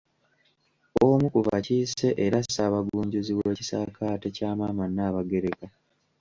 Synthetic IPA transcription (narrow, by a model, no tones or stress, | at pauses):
omukuva̰ciːse̞ʔeɾasaːβaɡuːɲɟuziwe̞ːci̥sa̰kʰaːte̞caːmaːmanːaːβaɡe̞ɾeka